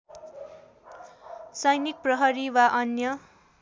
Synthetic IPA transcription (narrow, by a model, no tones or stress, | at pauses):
sʌjnik̚prʌɦʌɾiwaʔʌnjʌ